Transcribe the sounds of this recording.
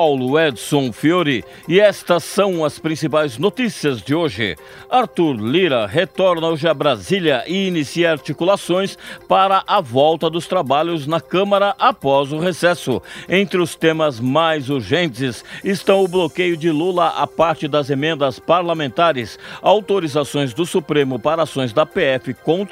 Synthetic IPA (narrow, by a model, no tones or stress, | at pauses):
pawlʊɛd̪sõfioɾɪ | ɪɛst̪ɐsɐ̃w̃ɐspɾĩsipajznot̪isiɐzd͡ʒɪoʒɪ̰ | aɾt̪uɾliɾɐɦet̪ɔɾnɐoʒɪɐbɾazilɐʔɪːnisiɐaɾt͡ʃikulasõj̃spaɾɐʔavɔwt̪ɐd̪ʊst̪ɾabaʎʊznɐkɐ̃mɐɾɐʔapɔzʊɦesɛsʊẽnt̪ɾɪʊst̪ẽmɐzmajzuɾʒẽnt͡ʃɪsɪst̪ɐ̃w̃ʊblokejʊd͡ʒɪlulɐʔa̰paɾt͡ʃɪd̪ɐzemẽnd̪ɐspaɾlamẽnt̪aɾɪsawt̪oɾizasõj̃zd̪ʊsupɾẽmʊpaɾɐasõj̃zd̪ɐpeɛfɪkõt̪